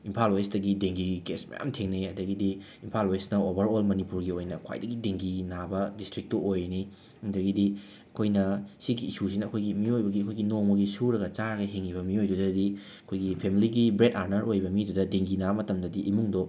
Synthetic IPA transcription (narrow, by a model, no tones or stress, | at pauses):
impʰalwajsdɐɡideŋɡiɡikesmɐ̰ja̰mtʰeŋnijɐdɐɡidi | impʰalwajsnɐobɐɾolmɐnipuɾɡiojnɐkʰwa̰jdɐɡideŋɡinabɐdistɾik̚toʔojɾini | dɐɡidi | ɐkʰojnɐsiɡiːsusinɐːkʰojɡimiojbɐɡiɐkʰojɡinoŋmɐɡisuɾɐɡɐt͡ʃaɾɐɡɐɦeŋːibɐmiojdudɐdi | ɐkʰojɡipʰemiliɡibɾetaɾnɐɾojbɐmidudɐdeŋɡinamɐtɐmdɐdiʔimuŋdo